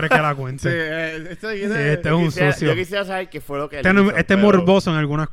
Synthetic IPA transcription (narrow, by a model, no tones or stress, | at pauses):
ɾekːelakwẽnt̪e | et̪esũnsosjokiseasaβeɾkefweloket̪eneest̪emoɾbosoeŋalɣuna